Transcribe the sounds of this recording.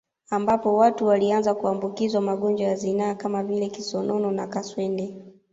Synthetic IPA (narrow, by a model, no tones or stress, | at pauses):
ambapɔwatuwalianzakuambukizwamaɠɔnd͡ʒwajazinaːkamavilɛkisɔnʔɔnɔnakaswɛndɛ